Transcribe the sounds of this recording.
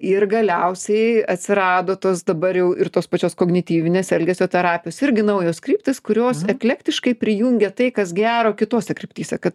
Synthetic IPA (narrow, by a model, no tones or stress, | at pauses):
ɪrɡɐlʲɛʊssʲɛɪɐt̪ʲsʲɪɾɑːd̪oːt̪oːsd̪ɐbɐɾjɛʊʔɪrt̪oːspɐt͡ʃʲoːskoːɡnʲɪt̪ʲiːʋʲɪnʲeːsɛlʲɡʲɛsʲoːt̪ʲɛɾɑːpʲɪjoːsɪɾʲɡʲɪnɐʊjoːskɾʲiːp̚ʲt̪ʲɪskʊɾʲoːsɛklʲæːkt̪ʲɪʃkɐɪpʲɾʲɪjuːŋʲɡʲɛt̪ɐɪkɐsɡʲæːɾoːkʲɪt̪oːsʲɛkɾʲɪp̚ʲt̪ʲiːsʲɛkɐt̪